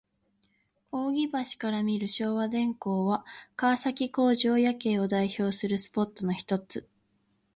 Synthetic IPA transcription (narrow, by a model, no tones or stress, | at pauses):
o̞ːɡʲibaɕi̥kaɾamʲiɾɯ̟ɕo̞ːβad̪ẽ̞ŋko̞ːβakaːsakʲiko̞ːʑo̞ːjake̞ːo̞d̪aiço̞ːsɨɾɯ̟sɨ̥po̞t̪ːo̞no̞çi̥t̪o̞t͡sɨ